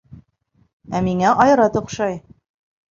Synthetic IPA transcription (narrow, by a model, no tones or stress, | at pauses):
æmiŋæʔɑjɾɑt̪ŏqʃɑj